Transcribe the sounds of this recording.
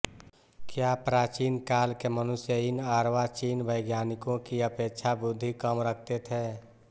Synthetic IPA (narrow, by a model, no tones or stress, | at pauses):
kjapɾaːt͡ʃiːnkaːlkemənʊsjəinaːɾʋat͡ʃiːnbəɪɡjaːnɪkõkiəpeːkt͡ʃʰabʊd̪ʱːikəmɾək̚ʰt̪et̪ʰɦɛː